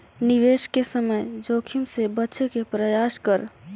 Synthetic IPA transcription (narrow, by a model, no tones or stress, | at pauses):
nɪʋeːʃkesəməjd͡ʒoːkʰɪmsebɐtːʃekepɾəjaːʃkəɾ